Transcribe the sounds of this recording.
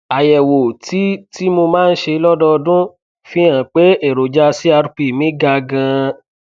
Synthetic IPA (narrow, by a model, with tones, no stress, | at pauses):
a˨jɛ˨wo˨ti˨˦ti˦mo˧mãː˦˧n̩˦ʃe˧lɔ˦dɔ˧dũ˦ | fĩ˦ã˨k͡pe˨˦e˦˨ɾo˨d͡ʒa˧si˦a˧ɾu˨˦k͡pi˦˨mĩ˨˦ɡa˧ɡã˧